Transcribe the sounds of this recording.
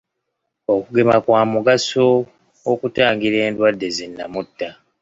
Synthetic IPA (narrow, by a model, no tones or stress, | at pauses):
o̞kuɡe̞makwaːmuɡasoː | kutaːŋɡiɾe̞ːndwadːe̞zinːa̰mutːa